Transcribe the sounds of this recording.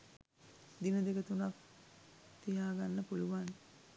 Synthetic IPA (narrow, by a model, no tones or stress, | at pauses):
d̪inəd̪ekət̪unak | t̪ijaːɡanːəpuluʋan